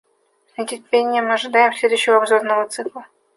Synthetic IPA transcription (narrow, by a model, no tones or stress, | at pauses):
nʲətʲɪrʲpʲenʲːɪjəmɨɐʐɨd̪ajɪmsʲlʲed̪ʊɕːɪvəabzornəvət̪sɨklˠə